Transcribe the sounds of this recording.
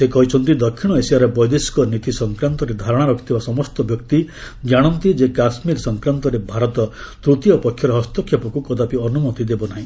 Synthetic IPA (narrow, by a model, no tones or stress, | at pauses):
sekɔɦit͡ʃʰɔnt̪id̪ɔkʰːiɽ̃ɔesijaɾebɔjd̪esi̥kɔnit̪isɔŋkɾant̪ɔɾed̪ʱaɾɔɽ̃aɾɔkʰi̥t̪ʰibasɔmɔst̪ɔbjɔk̚t̪i | ɡjaɽ̃ɔnt̪id͡ʒekasmiɾsɔŋkɾant̪ɔɾebʱaɾɔt̪ɔ | t̪ɾut̪ijɔpɔkʰːjɔɾeɦɔst̪ɔkʰːjɔpɔkukɔd̪apiɔnumɔt̪id̪ebɔnaɦĩ